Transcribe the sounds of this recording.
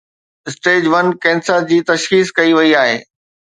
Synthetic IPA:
ɪsʈeːd͡ʑʋɐnkɛ̃ːnsəɾd͡ʑiːt̪ɐʃxiːskɐiʋɐiaːɦḛː

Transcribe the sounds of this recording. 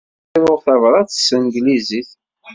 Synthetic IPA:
ɾʊʁθævɾˤɑθsənɡliziθ

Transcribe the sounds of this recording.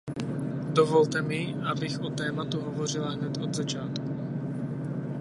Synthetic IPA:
d̪ɔvɔlt̪ɛmiʔabiɣɔt̪ɛːmat̪uɦɔvɔrilaɦɲɛt̪ɔd̪zat͡ʃaːt̪kuu

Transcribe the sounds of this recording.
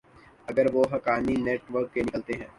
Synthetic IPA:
ɐɡəɾʋoɦɐkaːnineːʈʋəɾkːenɪkəlt̪eɦɛ̃ː

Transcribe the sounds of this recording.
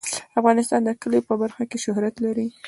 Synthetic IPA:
afɣɑnɪst̪ɑnd̪əkəlepəbaɾxakeʃʊhɾat̪laɾi

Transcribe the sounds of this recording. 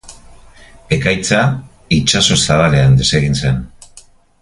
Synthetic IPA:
e̞kajt͡sa | it͡ʃaso̞saβale̞and̪e̞se̞ɣinse̞n

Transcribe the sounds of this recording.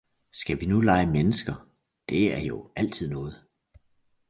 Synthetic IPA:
sɡ̥æʋinulɑ̈ɪəmenəsɡ̥ɐ | d̥e̝æɐjo̝æl̰t͡sʰið̞̰ˠnɔ̽ːð̞̩ˠ

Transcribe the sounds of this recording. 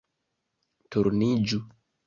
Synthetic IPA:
tuɾnid͡ʒu

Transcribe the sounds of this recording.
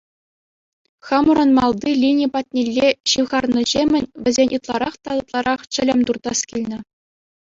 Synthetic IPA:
χɑmuɾɤ̆nmɑlˠd̪ilʲinʲipɑt̪ʲnʲelʲːeɕiʋʁɑrnɤ̆ʑemʲɘ̆nʲʋʲɘ̆zʲenʲʔɯt̪lˠɑ̰ɾɑχt̪ɑlɤt̪lˠɑɾɑχt͡ɕɘ̆lʲɘ̆mʲt̪urd̪ɑskʲilʲnʲɘ̆

